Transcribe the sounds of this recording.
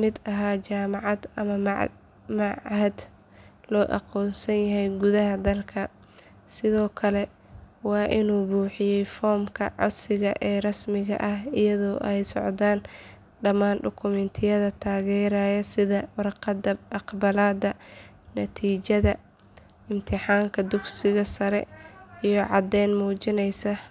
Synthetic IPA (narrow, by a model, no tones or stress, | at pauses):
mɪd̪ɐɦaːt͡ʃaːmɑʕɑd̪ɐmɐ | mɑʕhɐd̪ | lɔːʔɑ̰qɔːnsɐnjɐɦɛjɡuðɐɦɐd̪ɐlkʰɐ | sɪðɔːkʰɐlɛ | wɑːʔɪnuːbuːħɪjɛjfɔːmkʰɐ̰ʕɔ̰d̪sɪɣɐʔɛːrɑsmɪɣɐ̰ʔɐhɪjɐðɔːʔɛjsɔ̰ʕd̪aːn | ɖɐmaːnɖʊkʰʊmɛnt̪ʰɪjɐðɐt̪ʰaːɣɛːɾaːjɐsɪðɐwɑrqɑd̪ɐbʔɑqbɐlaːd̪ɐ | nɐt̪ʰiːt͡ʃɐðɐ | ɪmt̪ʰɪħaːŋkʰɐd̪ʊɡsɪɣɐsɐɾɛ̰ijɞʕɑd̪ɛːnmuːt͡ʃɪnɛjsɐ